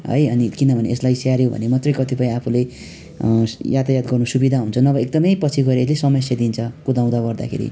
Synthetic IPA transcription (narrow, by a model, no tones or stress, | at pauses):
ɦʌ̰jʌnikinʌbʱʌnḛeslajsaɾjobʱʌ̰nemat̪rʌjkʌt̪ipʌĩapʰule | jat̪ajad̪ɡʌrnusubid̪ʱaɦunt͡sʰʌnʌbʌek̚d̪ʌmʌjpʌt͡sʰiɡʌɾeeslesʌmʌjsed̪int͡sʰʌkud̪ãw̃d̪aɡʌrd̪a̰kʰḛɾḭ